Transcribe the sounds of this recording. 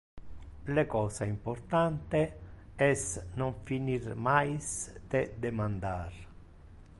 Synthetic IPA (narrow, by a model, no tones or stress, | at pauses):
lekɔːsaimpɔɾt̪ant̪e | ɛsnɔɱfiniɾmajst̪ed̪emand̪aɾ